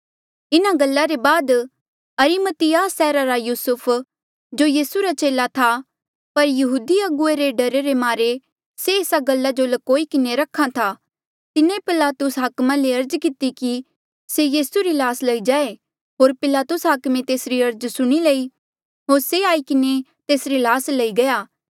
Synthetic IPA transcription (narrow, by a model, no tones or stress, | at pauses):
ɪnaɡɐlːaɾebaːd̪ | ɐɾimət̪ɪjaːsɛːɾaɾajuːsʊpʰ | d͡ʒoːjiːsuɾat͡ʃeːlat̪ʰa | pɐɾjɐɦuːd̪iɐɡʊeɾeɖɐɾeɾemaːɾe | seeːsaɡɐlːad͡ʒolɐkoːikɪneɾɐkʰːat̪ʰa | t̪ɪnepɪlaːt̪ʊsɦɐkmãleɐɾd͡ʒkɪt̪iki | sejiːsuɾilaːslɐid͡ʒaːe | ɦoːɾpɪlaːt̪ʊsɦakmẽt̪eːsɾiɐɾd͡ʒsʊɽ̃ilɐi | ɦoːɾseaːikɪnet̪eːsɾilaːslɐiɡɐjaː